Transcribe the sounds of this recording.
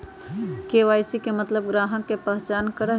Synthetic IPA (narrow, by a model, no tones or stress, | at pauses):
keʋaːjsikemət̪ləb̚ɡɾaːɦə̃kːepəɦt͡ʃaːnkəɾə